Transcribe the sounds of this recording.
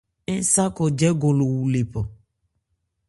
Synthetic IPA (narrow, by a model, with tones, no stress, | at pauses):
ẽ˦sa˦kɔ˨d͡ʒɛ˦ɡo˨lo˨wu˨le˨pɔ˨